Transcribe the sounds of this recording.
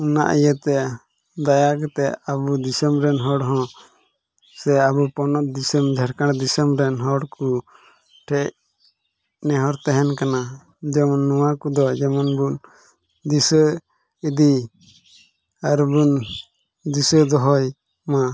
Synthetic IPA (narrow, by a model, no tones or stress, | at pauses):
una̰ʔijət̪ɛ | d̪ajakɛt̪ɛabud̪isɛmɾɛnɦɔɽɦɔ̃ | sɛabupɔnɔt̪̚d̪isəmd͡ʒʱaɾkaɽd̪isəmɾɛnɦɔɽku | ʈʰɛʔ | nɛɦɔɾt̪ɛɦɛnkana | d͡ʒɛmɔnːɔwakud̪ɔd͡ʒɛmɔnbun | d̪isə | id̪i | aɾbun | d̪isəd̪ɔɦɔj | ma